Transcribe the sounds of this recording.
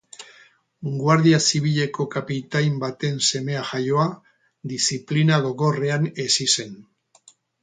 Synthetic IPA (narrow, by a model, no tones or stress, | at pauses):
ɡwaɾðiasiβiʎe̞ko̞kapit̪ajmbat̪e̞nse̞me̞aʝajo̞a | d̪isiplinaɣo̞ɣo̞re̞ane̞sise̞n